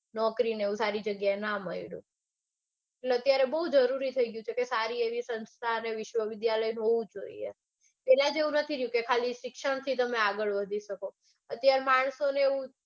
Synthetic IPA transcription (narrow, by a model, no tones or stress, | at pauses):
nɔkɾineeʋũsaɾid͡ʒəɡjaenaməiɽṵ̃ | eʈleət̪jaɾebəɦud͡ʒəɾuɾit̪ʰəiɡjũt͡ʃʰekesaɾieʋisənst̪ʰaəneʋɪʃʋəʋɪd̪jaləjnɦoʋũd͡ʒoḭḛ | pɛlad͡ʒeũnət̪ʰiɾəjũkekʰaliʃɪkʃəɳ̃t̪ʰit̪əmeaɡəɭʋəd̪ʱiʃəko | ət̪jaɾemaɳ̃soneeʋũ